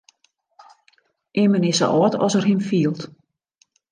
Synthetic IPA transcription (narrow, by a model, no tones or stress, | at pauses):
ʔɪmənɪsə̰ʔɔːtʰɔ̰sərɦinfiːəlˠt